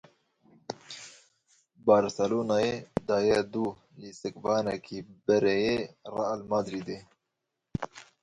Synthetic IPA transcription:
bɑːɾsɛloːnaːjed̪ɑːjɛd̪uː | lisɨkbɑːnɛkʰiːbɛɾejerɑlmaːd̪ɾiːd̪e

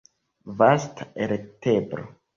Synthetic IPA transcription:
vasteɾetebɾo̰

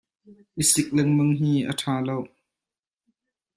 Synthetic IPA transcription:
ʔisɪk̚lɛŋməŋɦiːʔə̰tʰaːlow

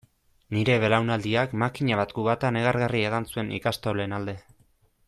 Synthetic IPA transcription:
niɾe̞βe̞lawnald̪iakmakiɲaβat̪ɡuβat̪ane̞ɣ̞aɾɣarie̞ɣansue̞nḭkast̪ole̞nald̪e̞

